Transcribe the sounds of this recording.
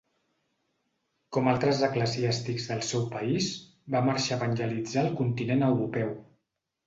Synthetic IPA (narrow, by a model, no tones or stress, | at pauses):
kɔmalˠt̪ɾəzəkləziast̪ikzðəlˠsɛwpəis | baməɾʃaəβənʲʒəlid͡zaəlˠkunt̪inenəwɾupɛw